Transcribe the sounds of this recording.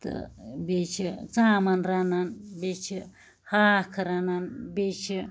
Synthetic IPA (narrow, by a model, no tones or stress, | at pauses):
t̪ɨ̰bit͡ʃʰit͡sãmanɾanãnbit͡ʃʰi | hakʰaɾanãnbit͡ʃʰi